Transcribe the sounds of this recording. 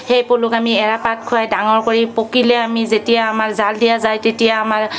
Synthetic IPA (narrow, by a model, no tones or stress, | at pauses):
hejpʊlʊkamiɛɹapat̚kʰʊjajdaŋɔɹkoɹipokilɛamizetijaːmaɹzaldijazajtetijaːmaɹ